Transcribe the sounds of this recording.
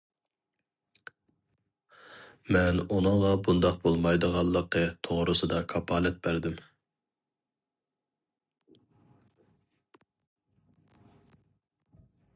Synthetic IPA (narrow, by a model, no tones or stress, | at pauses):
mɛnunɨŋʁɑbund̪ɑq̚bolˠmɑjd̪əʁɑlˠːəqːət̪ʰoʁɾɨsɨd̪ɑkʰɑpʰɑːlɛt̪̚bæɾd̪ɪm